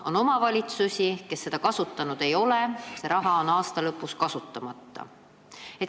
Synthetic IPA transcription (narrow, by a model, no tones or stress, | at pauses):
o̞no̞mɑvɑlʲit̪susʲike̞sːe̞d̪̥ɑkɑsut̪ːɑnud̪̥e̞jo̞le̞se̞ɾɑɦɑo̞nɑːst̪ɑlɤpːˑuskɑsut̪ːˑɑmɑt̪ːɑ̰ | e̞t̪